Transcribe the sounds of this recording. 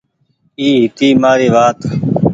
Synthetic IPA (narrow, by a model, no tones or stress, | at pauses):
iːɦɪt̪iːmaːɾeːʋaːt̪